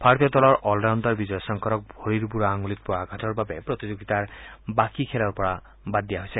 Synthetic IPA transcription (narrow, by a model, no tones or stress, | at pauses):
pʰaɾt̪jɔt̪ɔlɔɾʔɔlɖand̪ɔɾbid͡ʒɔjɔsɔŋkɔɾɔk̚bʱoɾiɾbuɾaːŋulit̪̚pɔaɡʱaʈʰɔɾbabepɾɔt̪id͡ʒoɡit̪aɾbakikʰelɔɾpɔɽa | bad̪ijaɦojsʰe